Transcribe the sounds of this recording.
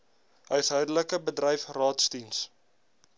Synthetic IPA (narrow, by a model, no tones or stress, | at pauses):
œɥsɦœɥdələkəbədrɛjfrɑːtsdins